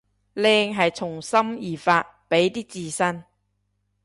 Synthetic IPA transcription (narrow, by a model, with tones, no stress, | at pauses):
lɛː˧ŋɦɐ˨jt͡sʰʊ˨˩ŋsɐ˥mjiː˨˩faː˧t̚pe˨˥jt̪iː˥t͡siː˧sɐ˥n